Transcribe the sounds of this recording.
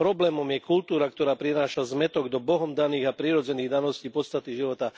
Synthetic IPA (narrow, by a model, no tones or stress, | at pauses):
pɾɔblɛːmɔmjɛkult̪uːɾakt̪ɔɾaːpɾinaːʃazmɛt̪ɔɡd̪ɔbɔɦɔmd̪aniːɣapɾiːɾɔd͡zɛniːɣd̪anɔsciːpɔt̪st̪at̪iʒiʋɔt̪a